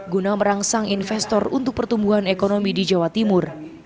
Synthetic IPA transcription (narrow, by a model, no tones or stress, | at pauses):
ɡunaməɾaŋsaŋinfɛst̪ɔrṵnt̪ʊk̚pərt̪umbuɦanekonomidid͡ʒawat̪imʊr